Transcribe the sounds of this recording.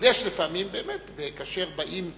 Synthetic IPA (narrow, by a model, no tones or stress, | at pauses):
jeʃlefamimbeːmet̪bekaʃe̞ʁbaʔim